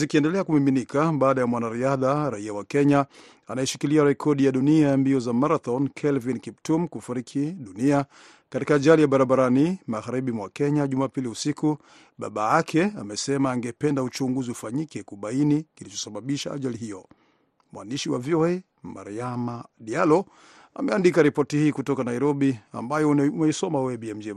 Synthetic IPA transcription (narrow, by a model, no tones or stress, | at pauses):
zikiɛndɛlɛakumiminikaɓaːɗajamwanaɾiaðaɾaiawakɛɲa | anajɛʃikiliaɾɛkʰɔɗijaɗuniajambiɔzamaɾaθɔnkʰɛlvinkiptumkufuɾikʰiɗunia | katikaːʄalijaɓaɾaɓaɾanimaɣaɾiɓimwakɛɲaʄumaːpiliusiku | ɓa̰ɓaakʰɛamɛsɛmaːŋɡɛpɛndaut͡ʃuŋɡuziufaɲikɛkuɓainikilit͡ʃɔ̥saɓaɓiʃa̰a̰ʄaliɦijɔ | mwa̰ndiʃiwa̰viɔɛ | ma̰ɾiamaɗialɔ | a̰mɛandikaɾipɔtihiːkutɔkanaiɾɔɓia̰mbajɔumɛisɔmaɔɛɛbiɛm̩d͡ʒɛ